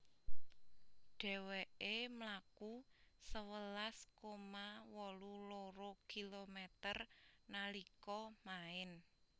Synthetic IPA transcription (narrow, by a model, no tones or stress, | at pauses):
ɖ̥ɛ̤weʔemlakusəwəlaskomawɔluloɾokilomɛt̪ərnalikɔmaɪn